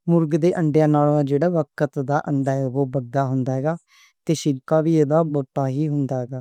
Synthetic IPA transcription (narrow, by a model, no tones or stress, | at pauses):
mʊɾɡd̪eːʔəɳɖjãːnaːlãːd͡ʒeːɽaːʋəkət̪d̪aːʔəɳɖaːɦɛoːbəɾd̪aːɦʊnd̪aːɦɛːɡaː | t̪eːʃɪɾkaːʋiːeːd̪aːbɔːʈːaːɦiːɦʊnd̪aːɦɛːɡaː